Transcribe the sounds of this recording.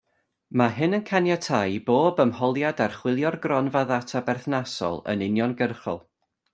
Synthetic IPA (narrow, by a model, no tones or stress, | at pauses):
maɦɨnənkʰanjatʰajboːbəmhɔlˠjadarχwɪlˠjɔrɡrɔnvaðatʰabɛrθnasɔ̰lˠə̰nɪnjɔnɡərχɔ̰lˠ